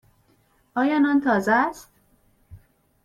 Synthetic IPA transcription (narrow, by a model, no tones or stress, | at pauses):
ʔɒːjɒːnɒnt̪ʰɒːzæst̪